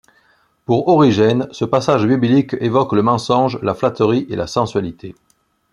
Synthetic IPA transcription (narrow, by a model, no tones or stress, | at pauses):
puʁɔʁiʒɛnsəpasaʒbiblikevɔkləmɑ̃sɔ̃ʒlaflat̪əʁiʔelasɑ̃sɥalit̪ʰe